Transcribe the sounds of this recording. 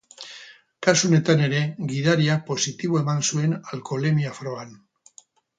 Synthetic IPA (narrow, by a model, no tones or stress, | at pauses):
kasuone̞t̪ane̞ɾe̞ɣiðaɾiak̚po̞sit̪iβ̞o̞e̞mansue̞nalko̞le̞miafɾo̞an